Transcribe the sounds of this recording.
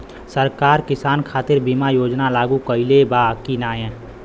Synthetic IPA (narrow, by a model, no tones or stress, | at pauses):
səɾkaːɾkɪsaːnkʰaːt̪ɪɾbimajoːd͡ʒnalaːɡukəɪlebakinaːjɛ̃ː